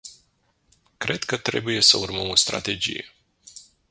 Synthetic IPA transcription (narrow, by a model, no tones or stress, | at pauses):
kɾe̞d̪kət̪ɾe̞̰buje̞sə̰urməmo̞st̪ɾa̰t̪e̞d͡ʒḭjḛ